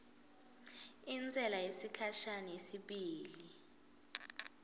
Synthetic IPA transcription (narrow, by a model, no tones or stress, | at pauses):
ind͡zʱɛlajesikʰaʃanesiɓiːli